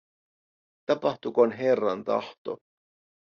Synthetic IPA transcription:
t̪ɑpɑht̪ukonɦerːɑnt̪ɑ̰ht̪o̞̰

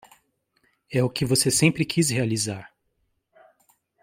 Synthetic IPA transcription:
ɛʊkɪvosesẽmpɾɪkʰishealizaɾ

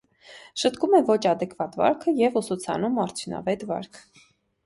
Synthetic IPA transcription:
ʃət̪kumɛvɔt͡ʃʰɑd̪ɛkvɑt̪vɑ̰ɾkʰəjɛvusut͡sʰɑ̰numɑɾt͡sʰjunɑ̰vɛt̪vɑ̰ɾkʰ

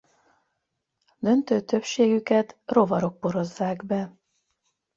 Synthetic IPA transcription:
d̪ø̞nt̪øːt̪øpʃeːɡykɛt̪ro̞vɒɾo̞k̚poɾo̞zːaːɡbɛ

